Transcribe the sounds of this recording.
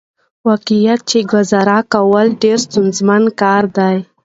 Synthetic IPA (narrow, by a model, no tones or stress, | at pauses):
wɑqijat̪̚t͡ʃeɡwazaɾakawəlɖeɾst̪unzmankɑɾd̪aj